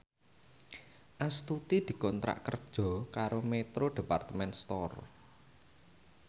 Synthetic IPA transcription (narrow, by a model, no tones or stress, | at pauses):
ʔast̪ut̪id̪̥i̤kɔnt̪ɾʔa̰ʔkərd̥ʒ̥ɔ̤kaɾomet̪ɾoɖ̥e̤part̪əmɛnst̪ɔr